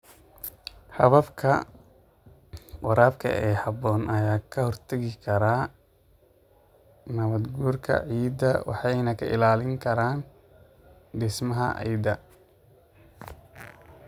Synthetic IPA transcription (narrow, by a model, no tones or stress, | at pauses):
ħɑβɐbkʰɐ | wɑɾaːbkʰɐ̰ʔɛːhɑbɔːnʔɐjaːkʰɐhɔrt̪ʰɐɣɪkʰɐɾaː | nɐβɐd̪ɡuːrkʰɐ̰ʕiːd̪ɐwɑ̰ħɑjnɐkʰɐ̰ʔɪ̰laːlɪŋkʰɐɾaːn | d̪ɪsmɐɦɐ̰ʔɛ̰jd̪ɐ